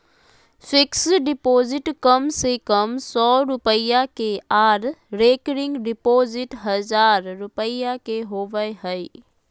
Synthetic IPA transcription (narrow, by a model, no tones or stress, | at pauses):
sɪksɖɪpoːzɪʈkəmsekəmsɔːɾʊpəjakeaːɾɾeːkɾɪ̃ŋɡɖɪpoːzɪʈɦəzaːɾɾʊpəjakeɦoːʋəeɦəi